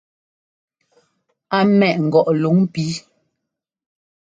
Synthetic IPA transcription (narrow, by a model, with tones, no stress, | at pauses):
a˦mɛ˨ʔŋ̩˨ɡɔ˨ʔlu˨˦ŋ˦pi˨˦